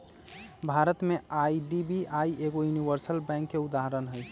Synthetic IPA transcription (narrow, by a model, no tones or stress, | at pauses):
bʱaɾət̪meaiɖibiʔaieɡojuniʋəɾsəlbɛ̃ŋkːeud̪aɦəɾənɦəj